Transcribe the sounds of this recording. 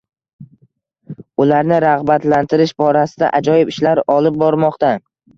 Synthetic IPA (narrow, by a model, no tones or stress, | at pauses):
ʊlaɾnɪɾaʁbat̪lant̪ʰɪɾɪʃbɒɾasɪd̪a̰ʔad͡ʒɒjɪpɪʃlaɾɒlˠɪp̚bɒɾmɒqt̪a